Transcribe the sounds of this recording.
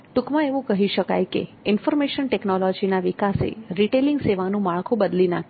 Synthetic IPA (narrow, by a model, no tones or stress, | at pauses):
ʈukmãeʋũkəɦiʃəka̰jkḛɪnfɔɾmeʃənʈeknɔlɔd͡ʒinaʋikasḛɾiʈeliŋɡseʋanũmaɭkʰũbəd̪lina